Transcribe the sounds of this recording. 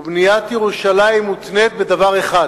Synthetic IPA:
bnijat̪jeʁuʃalaimːut̪net̪̚be̞d̪avaʁeχad

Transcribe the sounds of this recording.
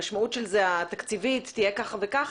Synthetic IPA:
aʃmautʃelzeat̪akt͡sivit̪ːijekaχavekaχ

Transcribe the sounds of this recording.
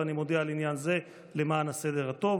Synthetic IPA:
animo̞d̪ealinjanze̞ | le̞maːnase̞d̪e̞ʁat̪o̞v

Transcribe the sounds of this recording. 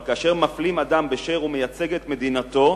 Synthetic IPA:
kaːʃe̞ʁmaflimad̪ambeʃeʁume̞jat͡se̞ɡet̪me̞d̪inat̪o̞

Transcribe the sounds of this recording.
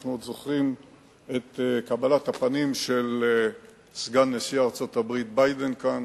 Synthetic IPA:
χnuod̪zoχʁim | et̪kabalat̪apanimʃe̞l | sɡanːesiaːʁt͡so̞t̪abʁit̪̚bajd̪enkan

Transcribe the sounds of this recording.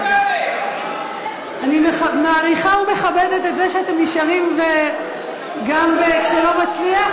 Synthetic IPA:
animmaːʁiχaume̞χabede̞tezeʃeate̞miʃaʁimve | ɡambekʃelo̞mat͡slia

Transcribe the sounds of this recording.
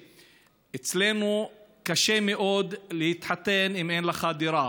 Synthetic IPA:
ʔet͡slenukaʃemeʔo̞d̪lehit̪ħat̪enimejnlaχad̪iɾa

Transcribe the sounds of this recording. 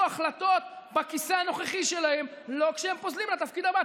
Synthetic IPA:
aχlat̪o̞t̪bakiseano̞χeχiʃe̞lahemlo̞kʃehempozlimlet̪afkid̪aba

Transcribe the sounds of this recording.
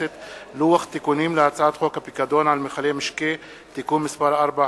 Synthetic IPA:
ɪt̪luwaxt̪ːekuniːmlɪhat͡saːt̪xokapikad̪oːnʕalmɪxaleːmɪʃkeː | t̪akuːnmɪsbɑɾˤʔɑɾˤbaʕ

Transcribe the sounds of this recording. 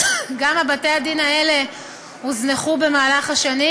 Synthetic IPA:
ɡamabate̞adinaele̞ | huzneχube̞maːlaχaʃani

